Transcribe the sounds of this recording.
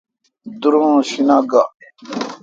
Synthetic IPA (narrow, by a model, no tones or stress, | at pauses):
d̪uɾõɕinaɡaʔ